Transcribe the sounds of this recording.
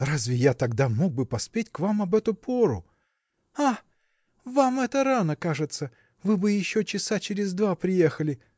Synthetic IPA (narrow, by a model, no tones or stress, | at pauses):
razʲvʲɪjat̪ɐɡd̪amo̞ɡ̚bɨpɐspʲetʲkvamɐbɛt̪ʊpʰo̞ɾʊ̰ | a | vamɛt̪əɾanəkaʐɨt̪sə | vɨbɨjɪɕːot͡ɕɪsat͡ɕɪɾʲɪzd̪vapɾʲɪje̞xəlʲɪ